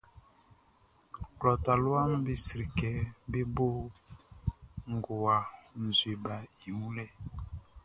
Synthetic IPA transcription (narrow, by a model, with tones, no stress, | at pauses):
klɔ˨ta˨lu˦a˦m˦bi˦si˨ɾi˨kɛ˨be˦bo˦ | ŋ̩˨ɡo˨wa˨n̩˨zwe˨ba˨i˨mu˦lɛ˨